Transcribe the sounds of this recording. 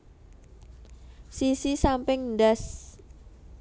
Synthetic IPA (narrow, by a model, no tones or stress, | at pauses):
sisisampɪŋndas